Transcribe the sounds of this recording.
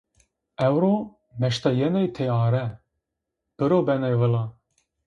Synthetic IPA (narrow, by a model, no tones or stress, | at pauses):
ɛwɾo | mɛʃt̪ɑjɛnɛjt̪ʰeɑːɾɛ | b̥ɨɾoːbɛnɛjvɨlɑ